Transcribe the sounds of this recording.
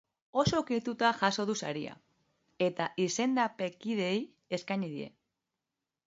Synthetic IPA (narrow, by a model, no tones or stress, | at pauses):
o̞so̞kit̪ut̪aʝaso̞ðusaɾia̰ | e̞t̪aʔise̞nd̪ape̞kiðe̞j | e̞skaɲiðie̞̰